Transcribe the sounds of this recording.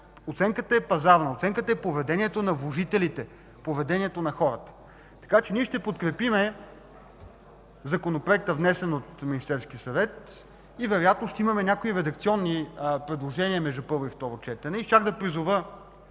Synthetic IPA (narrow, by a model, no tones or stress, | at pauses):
ot̪sɛŋkət̪əɛpɐzaɾnɐot̪sɛŋkət̪əɛpovɛd̪ɛniɛt̪onɐvlˠoʒit̪ɛlit̪ɛ | povɛd̪ɛniɛt̪onɐxɔɾət̪ə̥ | t̪ɐ̥kat͡ʃɛniɛʃt̪ɛpot̪kɾɛpimɛ | zɐkonopɾoɛk̚t̪əvnɛsɛnot̪minist̪ɛɾskiəsɐvɛt̪ | ivɛɾojat̪noʃt̪ɛimɐmɛnʲakoiɾɛd̪ɐkt̪siɔnːipɾɛd̪lˠoʒɛniəmɛʒd̪upɤɾvʊift̪ɔɾot͡ʃɛt̪ɛnɛit͡ʃaɡd̪ɐpɾizʊvə